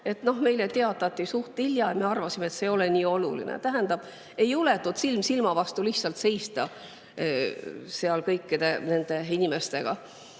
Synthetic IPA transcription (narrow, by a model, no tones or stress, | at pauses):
e̞t̪no̞hme̞jlet̪eɑt̪ːˑɑt̪ʲːisuht̪iljɑjme̞ɑrvɑsimet̪se̞o̞leniːo̞lṵlḭnḛt̪æɦænd̪̥ɑb̥ | e̞jule̞t̪ːut̪silmsilmɑvɑst̪uliht̪sɑlt̪se̞jst̪ɑ | seɑlkɤjkːid̪̥e̞ne̞nd̪̥e̞inʲime̞st̪e̞ɡ̥ɑ